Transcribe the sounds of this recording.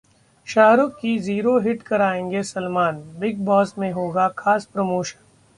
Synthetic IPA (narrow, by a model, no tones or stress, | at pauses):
ʃaːɦɾokiziːɾoɦɪʈkɐɾaːẽːŋɡesɐlmaːnbɪɡ̚bɔːsmẽɦoːɡakʰaːspɾɐmoːʃə̥n